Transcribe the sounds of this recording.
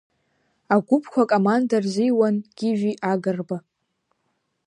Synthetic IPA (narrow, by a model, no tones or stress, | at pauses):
aɡʷʊpʰkʷʰakʼomandarzijwanɡ̥ʲɪʒᶣiʔaɡɨrba